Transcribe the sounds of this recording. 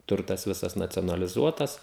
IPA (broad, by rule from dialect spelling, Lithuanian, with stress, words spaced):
ˈtʊrtɐs ˈʋʲɪsɐs nɐt͡sʲoːnɐlʲɪˈzuɔtɐs